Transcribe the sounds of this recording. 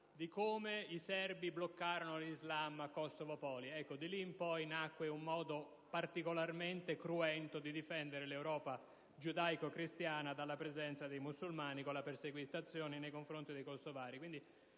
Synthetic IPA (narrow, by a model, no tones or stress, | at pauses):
d̪ikoːmeisɛrbiblokːaːɾonolizlamakːɔsːovopɔːliɛkːod̪iliːmpɔjnakːweumːɔːd̪o | part̪ikolarment̪ekɾuɛnt̪od̪id̪ifɛnd̪eɾelewɾɔːpa | d͡ʒud̪ajkokɾist̪jaːnad̪alːapɾezɛnt̪sad̪ejmusːulmaːnikolːaperseɡwit̪at̪sːjoːninejkoɱfɾont̪id̪ejkosovaːɾikwind̪i